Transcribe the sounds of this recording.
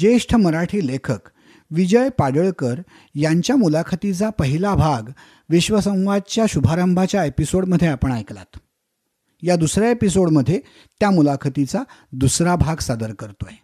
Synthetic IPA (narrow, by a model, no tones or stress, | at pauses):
d͡ʑeʂʈʰəməɾaʈʰiːlekʰək | ʋid͡ʑəjpaɽəɭkəɾ | jaɲt͡ɕjamulakʰət̪it͡sapəɦilabʱaɡ | ʋiɕʋəsə̃w̃ʋad̪̚t͡ɕjaɕubʱaɾəmbʱat͡ɕjaepisoɽməd̪ʱjeapəɳajkla̰t̪ | jad̪usɾjaepisoɽməd̪ʱːje | t̪jamulakʰət̪it͡sad̪usɾabʱaɡsad̪əɾkəɾt̪oe